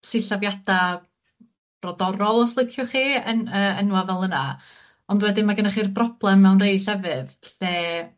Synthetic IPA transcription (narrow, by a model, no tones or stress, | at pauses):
siɬavjad̥a | b̥rɔdɔɾɔlˠɔslˠəkʰjʊχiːənəːənwavɛlˠəna | ɔndwɛdimaɡənaχiːrbrɔb̥lˠɛmːɛwnrejɬɛvɨðɬnɛː